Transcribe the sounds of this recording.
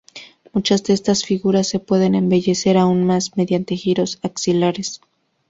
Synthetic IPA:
mut͡ʃazðeest̪asfiɣuɾasːe̞pwe̞ðe̞ne̞mbe̞ʝe̞se̞ɾaunmasme̞ðjant̪e̞xiɾo̞saksilaɾe̞s

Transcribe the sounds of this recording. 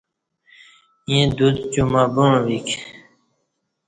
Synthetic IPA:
ẽd̪ud̪t͡ɕumabuɻ̃ʋik

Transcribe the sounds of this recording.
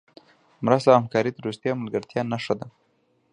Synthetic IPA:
mɾast̪aamkɑɾit̪əɾust̪jɑmalɡaɾt̪jɑnaʂad̪a

